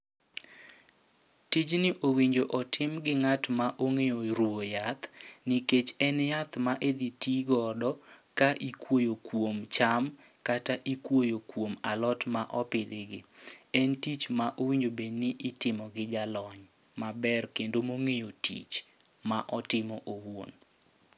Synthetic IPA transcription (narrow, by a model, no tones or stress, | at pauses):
tit͡ʃnɪʔowiɲd͡ʒoʔɔtʰɪmɡɪŋatmaʔoŋejoɾwojat̪niket͡ʃɛnjat̪maʔed̪itiɡɔdɔkaʔikwojokwomt͡ʃam | kataʔikwojokwomalɔtmaʔɔpɪd̪ɪɡɪɛntit͡ʃmaʔowiɲd͡ʒobeɲnɪʔɪtɪmɔɡɪd͡ʒalɔɲ | mabɛrkendomoŋejotḭt͡ʃ | maʔɔtɪmɔʔowo̰n